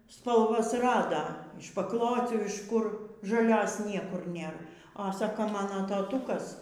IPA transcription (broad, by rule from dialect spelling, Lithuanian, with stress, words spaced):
spɐlˠˈʋɐs ˈrɑːdɐ ɪʃ pɐkˈlˠoːt͡sʲuː ɪʃ ˈkʊr ʒɐˈlʲoːs ˈnʲiɛkʊr ˈnʲeːr ɐ ˈsɑːkoː ˈmɑːnoː tɐˈtuːkɐs